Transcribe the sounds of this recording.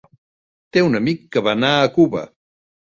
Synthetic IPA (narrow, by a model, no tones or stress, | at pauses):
t̪eunəmikːəβanaəkuβə̰